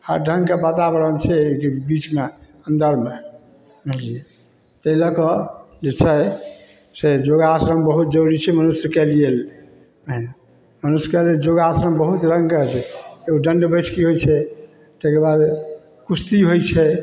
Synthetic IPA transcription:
a̰ɾɖʱəŋɡkebət̪abəɾəlt͡ʃʰɛkebit͡ʃme | ə̃nd̪əɾme | elie | t̪əiləkɔ | d͡ʒet͡ʃʰɛ | sed͡ʒoɡasɾəmbəɦut̪̚d͡ʒəɾit͡ʃʰɛmənusjəkelijel | əɦn | mənusjkeleld͡ʒoɡasɾəmbəɦut̪ɾə̃ŋɡkət͡ʃʰɛeuɖəɳɖbəjʈʰkiɦojt͡ʃʰɛ | t̪ekeɾbad̪ | kust̪iɦojt͡ʃʰɛ

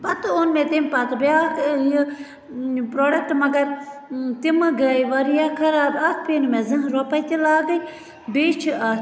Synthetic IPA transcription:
pɐt̪onmẽt̪impɐt̪baji | pɾoːɖɐk̚ʈmɐɡɐɾt̪imɨɡɐiʋɐɾijaːkʰɐɾaːbɐt̪̚ʰpeːnumẽzɐ̃ɦɾopɐjt̪ilaːd̪ɐi | beːt͡ʃʰiʔɐt̪

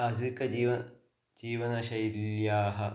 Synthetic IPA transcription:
ɐsikɐd͡ʑiːʋɐ | d͡ʑiːʋɐnɐʃɐjiljaːɦɐ

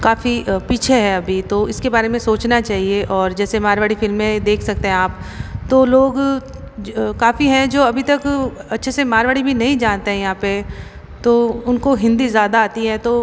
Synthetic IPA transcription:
kaːfipiːt͡ʃʰeɦɛɐbʱit̪oɪskebaːɾemẽsoːt͡ʃnat͡ʃaːɦieʔɔːɾd͡ʒɛːsemaːɾʋaːɽifɪlmːẽd̪eːkʰsɐk̚t̪eɦɛ̃aːpt̪oloːɡ | kaːfiɦɛ̃d͡ʒoːɐbʱit̪ɐkɐtːʃʰesemaːɾʋaːɽibʱinɐɦĩd͡ʒaːnt̪eɦɛ̃jɐɦãːpe | t̪oːʊnkoɦɪ̃nd̪izjaːd̪aːt̪iɦɛt̪o

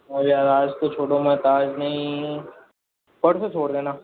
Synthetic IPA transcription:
ɛ̃bijaːɾaːd͡ʒt̪ot͡ʃʰoːɽomɛ̃t̪aːd͡ʒnɐĩ | pəɽset͡ʃʰoːɽd̪eːnaː

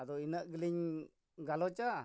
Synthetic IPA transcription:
adoinəʔɡəliɲ | ɡalot͡ʃa

